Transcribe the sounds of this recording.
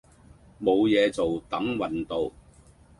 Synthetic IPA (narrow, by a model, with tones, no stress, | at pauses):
mo˨˧wjɛː˨˧t͡so˨wt̪ɐ˨˥ŋwɐ˨nt̪o˨˧w